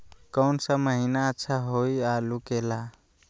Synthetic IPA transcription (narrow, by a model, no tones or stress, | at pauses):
kəʊnsə̃məɦinaətːʃʰaɦoialukela